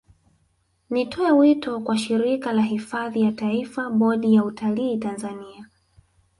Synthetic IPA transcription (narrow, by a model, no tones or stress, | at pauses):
nitʰɔɛwitɔkwaʃiɾikalaɦifaðijataifaɓɔɗijautʰaliːtanzania